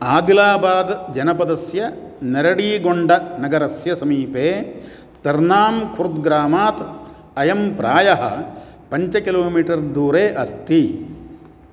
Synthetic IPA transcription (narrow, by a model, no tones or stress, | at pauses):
aːd̪ilaːbaːd̪d͡ʒɐnɐpɐd̪ɐsjɐnɐɾɐɽiːɡoɳɖɐnɐɡɐɾɐsjɐsɐmiːpeː | t̪ɐɾnaːmkʰuɾud̪ɡɾaːmaːt̪ | ɐjɐmpɾaːjɐɦɐ̰ | pɐɲt͡ʃɐkiloːmiːʈɐɾd̪uːɾeːʔɐst̪i